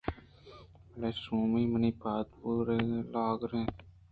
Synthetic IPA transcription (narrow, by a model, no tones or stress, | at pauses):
leːsũːmiːməniːpaːt̪puːɾeːlaːɡɾẽː